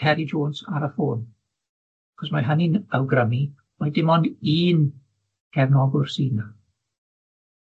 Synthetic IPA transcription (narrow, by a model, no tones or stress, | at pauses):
hɛɾid͡ʒoːnsa̰ɾəfoːn | aχɔsmaɦəninəwɡrəmi | ɔjdɪmɔndiːn | kʰɛvnɔɡʊrsiːna